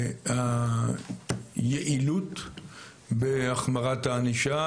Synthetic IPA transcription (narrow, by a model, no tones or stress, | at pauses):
ha | jeʔilut | beaχmaʁat̪aːniʃa